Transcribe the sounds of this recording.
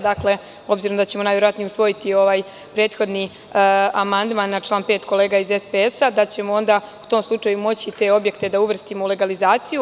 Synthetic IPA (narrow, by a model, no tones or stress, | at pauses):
d̪akle̞ | o̞bziɾomd̪at͡ɕe̞monajʋje̞ɾoat̪nijusʋo̞jit̪io̞ʋaːj | pɾe̞ːt̪xo̞d̪ni | amand̪manːat͡ʃlˠaːnpe̞ːt̪ko̞le̞ːɡaize̞speesad̪at͡ɕe̞moo̞nd̪au̥t̪o̞ːmslˠut͡ʂajumo̞t͡ɕit̪e̞o̞bje̞kt̪e̞d̪auʋr̩st̪imoule̞ɡalizaːt̪siju